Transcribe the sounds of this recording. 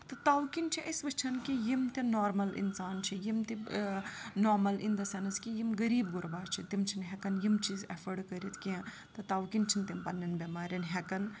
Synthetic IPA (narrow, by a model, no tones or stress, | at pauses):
t̪ɐt̪aːwkint͡ʃʰiʔɐsʋɐt͡ʃʰɐnkijimt̪inoːɾmɐlḭnsaːnt͡ʃʰijimt̪i | noːɾmɐlḭnd̪ɐsɐnskijimɡɐɾiːbɡʊɾbaːt͡ʃʰit̪imt͡ʃʰinɦɛkɐnjimt͡ʃiːzɛfəɖkɐɾit̪ʰkiɐ̃ | t̪ɐt̪aːwkint͡ʃʰint̪impɐnːɐnbʲemaːɾʲɐnɦɛkɐn